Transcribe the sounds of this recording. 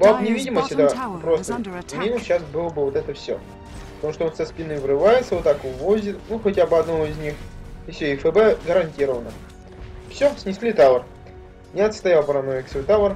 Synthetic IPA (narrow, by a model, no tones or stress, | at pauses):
bapnʲɪvʲidʲɪməsʲtʲɛt̪əpɾo̞st̪əmʲimʊɕasbɨlˠəbɨvot̪ɛt̪əfsʲɵo̰ | pə̥t̪ɐmuʂt̪oonsʲaspʲinɨvɾɨvajɪt̪səvot̪ːakʊvozʲɪt̪nuxɐtʲabɨɐd̪nɐvoɪzʲnʲixɪfsʲoɪfɛbɛɡəɾɐnʲtʲiɾəvənə | fsʲosʲnʲɪsʲlʲit̪avər | nʲɪɐt̪st̪ɐjalˠpɾɐnovʲɪksvojt̪avər